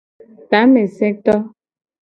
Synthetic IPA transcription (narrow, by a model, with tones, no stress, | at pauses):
ta˨˦me˨sɛ˦k̚tɔ˦